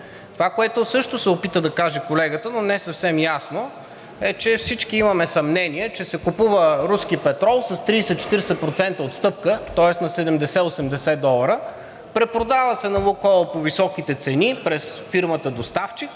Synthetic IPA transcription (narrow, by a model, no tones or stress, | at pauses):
t̪ovakoɛt̪ʊsɤʃt̪osɛopit̪əd̪ɐkaʒɛkolɛɡət̪ənonɛsɐfsɛmjasno | ɛt͡ʃɛfsit͡ʃkiimɐmɛsɐmnɛniɛt͡ʃɛsɛkupuvəɾusk̟ipɛt̪ɾɔlˠsɐst̪ɾiːsɛt̪t͡ʃɛ̥t̪iɾsɛpɾot̪sɛnt̪əot̪st̪ɤp̚kət̪ɔɛsnɐsɛd̪ɛmd̪ɛsɛosɛmd̪ɛsɛd̪ɔlˠəɾə | pɾɛpɾod̪avəsɛnɐvokɔlˠəpovisɔkit̪ɛt̪sɛnipɾɛsfiɾmət̪əd̪ost̪aft͡ʃik